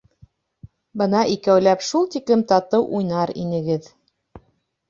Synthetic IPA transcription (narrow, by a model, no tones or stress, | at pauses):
bɤnɑʔikæwlæpʃulˠt̪iklɘmt̪ɑt̪ɤwʔujnɑɾḭnɘ̆ɡɘð